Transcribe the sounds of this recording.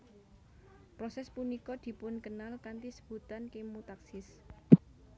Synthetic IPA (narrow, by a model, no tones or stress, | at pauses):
pɾɔsɛspunikɔd̪̥i̤pʊnkənalkant̪isə̥b̥ṳt̪ankimut̪aksɪs